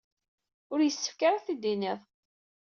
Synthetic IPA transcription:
ʊɾjəsːə̥fkaɾaθid̪ːinɪðˤ

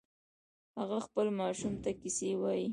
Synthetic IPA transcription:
haɣaxpəlmɑʃumt̪akisewɑji

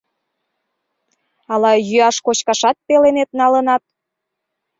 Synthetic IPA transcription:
ɑlɑjyɑʃkot͡ɕkɑʃɑt̪̚pelenet̪nɑlənɑt̪̚

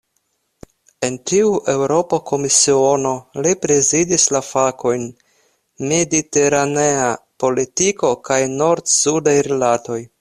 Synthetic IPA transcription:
e̞ntiuʔe̞wɾo̞pokʰo̞misio̞no̞lipɾe̞zidislafakʰo̞jn | me̞dite̞ɾane̞apo̞litiko̞kajno̞ɾtsudajɾelato̞j

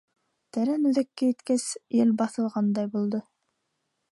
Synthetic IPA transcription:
t̪æɾænʉðækːæjɘ̆t̪kæsjɘlbɑθɤ̆lˠʁɑnd̪ɑjbulˠd̪ɤ

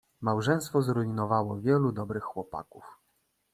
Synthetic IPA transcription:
mawʐɛ̃j̃st̪fɔzɾuinɔvawɔvʲjɛlud̪ɔbɾɘxːwɔpa̰kuf

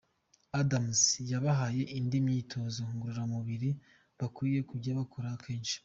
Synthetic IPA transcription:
adamsjaβaɦaje̞ʔindimɲiːtʰo̞zoŋɡuɾuɾamuβiɾi | βakwiːje̞kuɾɟaβakʰoɾakʰe̞ːnʃi̥

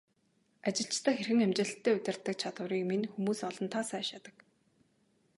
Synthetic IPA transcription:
at͡ɕɪ̆ɬt͡ɕt̪ə̆kxerxɘ̆ŋæmt͡ɕɪ̆ɬt̪ʰːeːɵt̪ʲɪ̆r̥t̪ːə̆k̚t͡ɕʰat̪ə̆ɾiːkminxumuːsɔɮɞ̆nt̪ʰasæːʃjat̪ə̆k

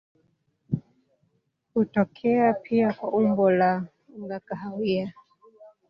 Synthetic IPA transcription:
hutɔkʰɛapʰiakwaʔumbɔla | ŋɡakaɦawia

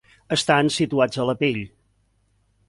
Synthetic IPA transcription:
əst̪ansit̪uad͡zələpeʎ

